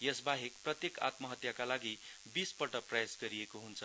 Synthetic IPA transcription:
jesbaɦekprʌt̪jeka̰t̪mʌɦʌt̪jakalaɡi | bispʌʈʌprʌjasɡʌɾijekoɦunt͡sʰʌ

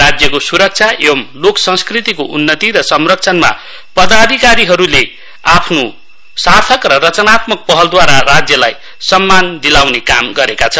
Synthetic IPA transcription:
rad͡zjʌkosuɾʌk̚t͡sʰaebʌmloksʌ̃ŋskrit̪ikoʔunːʌt̪iɾʌsʌmrʌkt͡sʰʌnma̰ | pʌd̪ad̪ʱikaɾiɦʌɾule | apʰno | sart̪ʰʌkrʌrʌt͡sʌnat̪mʌk̚pʌɦʌld̪waɾarad͡zjʌlaj | sʌmːand̪ilawnekamɡʌɾekat͡sʰʌ

